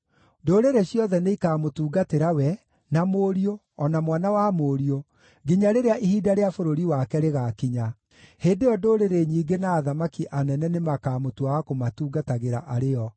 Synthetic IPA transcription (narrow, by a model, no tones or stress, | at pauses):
ndoːɾeɾeɕjɔðɛneikamotuːɡateɾawɛ | namoːɾio | ɔnamwanawamoɾio | ɡiɲaɾeɾeaʔihiːdaɾeafoɾoɾiwakɛɾeɣakiɲa | heːndejɔdoːɾeɾeɲiːɡenaːðamakiʔanɛnɛnemakaːmotwawakomatuːɡataɣeɾa̰ʔaɾeɔ